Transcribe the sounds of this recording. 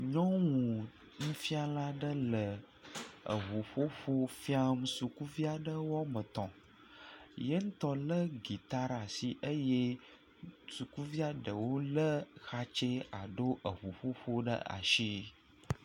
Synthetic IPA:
ɲɔ̃˦wũ˨ | nũ˦fi˦a˦la˦ɖə˦lə˨ | ə̰˨ɦu˨ɸo˦ɸo˦fi˦a˦mũ˨˦su˨ku˦vi˦a˦ɖə˦wɔ˦mə˨t̪ɔ̃˨ | je˦ŋ̩˦t̪ɔ˦lə˦ɡi˨t̪a˦ɾa˨si˨ʔə˦je˦ | su˨ku˦vi˦a˦ɖə˨wo˦lə˦xa˦t͡ʃe˦a˨ɖo˦ʔə˨ɦu˨ɸo˦ɸo˦ɖə̰˦a̰˨ʃi˦

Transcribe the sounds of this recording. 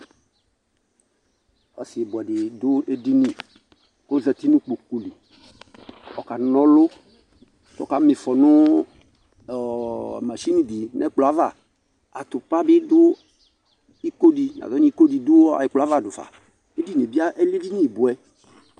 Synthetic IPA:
ɔ˨si˨bʊ˨a˨dɪ˨dʊ˦e˦di˦nĩ˨ | ko˦zɛ˨t̪i˦nũ˦k͡po˨ku˨li˨ | ɔ˨ka˨nɔ̃˦lo˦ | tɔ˦ka˨˦mi˨fɔ˨nʊ̃˦˨ | ma˨ʃi˦nĩ˨bi˨nʔɛ̰˦k͡pla˦va̰˨ | a˨t̪ʊ˨k͡pa˦bɪ˦dʊ˦ | i˦ko˦di˨n˨a̰˨ɔ˦ni˦i˦ko˦di˨dʊ˦a̰˨ji˨k͡pla˦va˦˨dʊ˨fa̰˨ | e˦di˦n˨e˨bi˦a˦ʔe˦li˦vi˦ɲĩ˦˨bu˨ɛ˦

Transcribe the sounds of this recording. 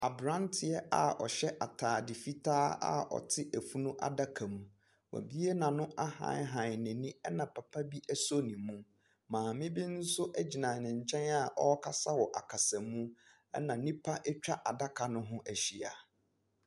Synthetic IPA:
a˨bɾã˦ntʰɪ˨ɛ˦ʔa̰˨ɔ̰˨ɕɛ˦ʔa˨tʰaː˨dɪ˨fi˦tʰaː˦a̰˦ɔ̰˨tʰɪ˦ʔæ˨fu˦nũ˦ʔa̰˨da˦kʰa˨mũ˨ | wa̰˨bi˦e˦nã˨nʊ̃˦ʔa˦hã̰˨˦ɦã˨nɪ̃˨nĩ˦ɛ˦nã˨pʰa˨pʰa˦bi˦ʔæ˦so˦nĩ˨mũ˦ | mãː˨mɪ̃˦bi˦n̩˦sʊ˦ʔæ˦d͡ʑi˨nã˨nɪ̃˨ɲ̩˨t͡ɕʰɛ̃˦na˦˨ʔɔ˦kʰa˦sa˦wɔ˨ʔa˨kʰa˨sa˨mũ˦ | ɛ̰˦nã˨nĩ˦pʰa˦ʔɛ˦t͡ɕᶣa˦ʔa˨da˦kʰa˨nʊ̃˦ɦʊ̃˦ʔæ˨ɕi˨a˨

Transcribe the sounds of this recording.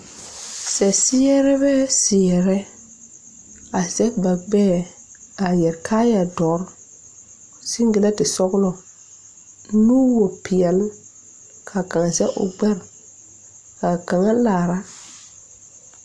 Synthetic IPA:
sɛ˨sɪ˦ɛ˦ɾɛ˦bɛ˦sɪ˨ɛ˨ɾɛ˦ | a˨zɛ˦ba˨ɡ͡bɛː˦ | a˨jɛ˨ɾkʰa˦ja˨dɔ˨˦ɾ | sɪ˦ŋɡɪ˨la˦tɪ˨sɔ˦ɣlɔ˨ | nuː˦wo˨pʰɪ˨ɛ˨l | kʰa˨kã˨ŋa˨zɛ˦ʔʊ̰˨ɡ͡bɛ˦ɾ | ka˨ka˨ŋa˦laː˨ɾa˦

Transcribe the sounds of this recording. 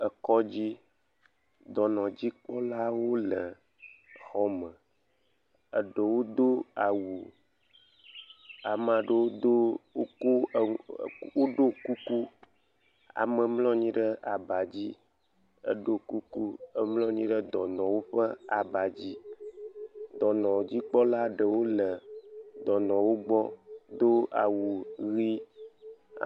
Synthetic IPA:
ə˨kɔ˦d͡ʑi˦ | d̪ɔ˨nɔ̃˨d͡ʑi˦k͡pɔ˦la˦wo˦lə˨ | xɔ˦mə̃˨ | ə̰˨ɖə˨wo˦d̪o˦a˨wu˨ | a˨mə˨a˨ɖə˦wo˦d̪o˦o˦ko˦˨wo˦ɖo˦ku˦ku˦ | a̰˨mɛ˨mlɔ̃˦ɲĩ˦ɖə˦ʔa˨ba˨d͡ʑi˦ | ə̰˦ɖo˦ku˦ku˦ə˦mlɔ̃˦ɲĩ˦ɖə˦d̪ɔ˨nɔ̃˨wo˦ɸə˦a̰˨ba˨d͡ʑi˦ | d̪ɔ˨nɔ̃˨d͡ʑi˦k͡pɔ˦la˦ɖə˨wo˦lə˨d̪ɔ˨nɔ̃˨wo˦ɡ͡bɔ˦d̪o˦a̰˨wu˨ɣḭ˦˨

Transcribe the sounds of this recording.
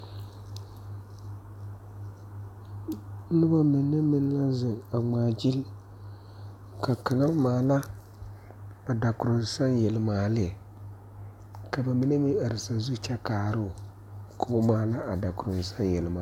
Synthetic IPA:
nɨ˦ba˦mɨ˨nːɨ˦mɨ˦n˦la˦zɨ˨ŋa˨ŋ͡maː˨d͡ʒi˦l | ka˨ka˨ŋa˦maː˨la˦ | a˨da˨kʊ˨ɾo˨zsa˦njɛ˨lmaː˨lɪ˦ɛ˨ | ka˨ba˨mi˦ne˦mi˦a˨ɾɪ˨sa˨zu˦t͡ʃɛ˦kaː˨ɾɨ˦˨ | kʰo˦maː˨˦la˦a˨da˨kʊ˨ɾo˨zsa˦njɛ˨lmaː˨˦

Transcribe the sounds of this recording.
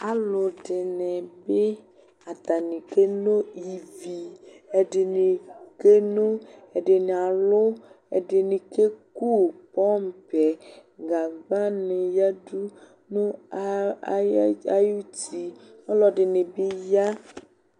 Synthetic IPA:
a˨lʊ˨ɖɪ˨ne˨be˦ | a˨t̪a˨nĩ˨ke˦no˦ji˨vi˨e˨ɖɪ˨ne˨ke˦no˦e˨ɖe˨n˨a˨lʊ˦ | ḛ˨ɖɪ˨ne˨ke˦ku˦˨pɔ˦m˨pɛ˨ɡa˨ɡ͡ba˦ne˨ja˦du˦ | nũ˦ | a˦ju˦ti˨ɔ˦lɔ˨ɖɪ˨ne˨be˦ja˦

